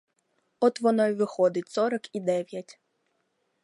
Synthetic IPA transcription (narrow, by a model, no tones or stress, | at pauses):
ɔt̪ʋɔnɔjʋɪxɔd̪ɪtʲsɔɾɐkid̪ɛʋʲjɐtʲ